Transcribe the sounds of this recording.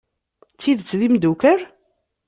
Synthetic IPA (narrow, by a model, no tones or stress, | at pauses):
t͡sːiðt͡sːðimd̪ukəɾ